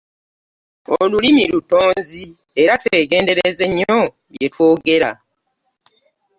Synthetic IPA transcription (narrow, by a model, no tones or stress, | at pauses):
olulimiluto̞ːnzi | e̞ɾatwe̞ːɡe̞ːnde̞ɾeze̞ɲːo̞ | βjetwo̞ːɡe̞ɾa̰